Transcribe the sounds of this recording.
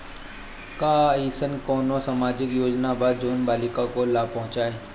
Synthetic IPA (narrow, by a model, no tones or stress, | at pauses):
kaːiːsənkoːnosamaːd͡ʒɪkjoːd͡ʒnabad͡ʒoːnbaːlɪkakolaːpɐɦʊ̃t͡ʃaːɦeː